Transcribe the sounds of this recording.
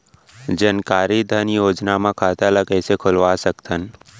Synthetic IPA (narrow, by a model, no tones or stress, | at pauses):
d͡ʒənkaːɾid̪ʱənjoːd͡ʒnamãkʰaːt̪aləkəsekʰʊlʋasəkt̪ʰən